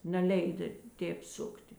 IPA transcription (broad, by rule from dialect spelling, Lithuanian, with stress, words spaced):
nʲɛˈlʲɛɪdɐ ˈtʲeːp ˈsʊktʲɪ